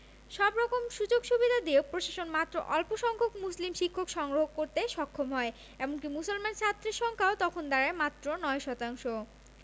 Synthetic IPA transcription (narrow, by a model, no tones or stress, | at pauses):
ʃɔbɾɔkomʃud͡ʑoɡʃubid̪ʱad̪iopɾoʃaʃonmat̪ːɾo̰ʔɔlpoʃɔŋkʰokmuslimʃikʰːokʃɔŋɡɾoɦokoɾt̪eʃɔkʰːomɦɔe | ɛmonkimusolmant͡ɕʰat̪ːɾeʃɔŋkʰaot̪ɔkʰond̪aɾaemat̪ːɾonɔeʃɔt̪aŋʃo